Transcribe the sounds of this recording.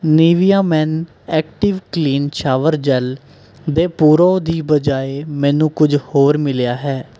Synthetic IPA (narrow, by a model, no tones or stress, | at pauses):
niːʋijaːmɛːn | ɛːk̚ʈɪʋkliːnt͡ʃʰaːʋəɾd͡ʒɛl | d̪eːpuːɾoːd̪iːbəd͡ʒaːeːmɛ̃ːnũːkʊd͡ʒhoːɾmɪljaːɦɛː